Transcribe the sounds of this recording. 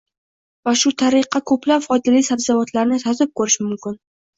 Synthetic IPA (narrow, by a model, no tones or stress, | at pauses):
vaʃʊt̪ʰaɾɪqːɑkʰɵplapfɒd̪ɪlijsabzavɒt̪laɾnɪt̪ɒzɪp̚kʰɵɾɪʃmʊmkʲʰɪn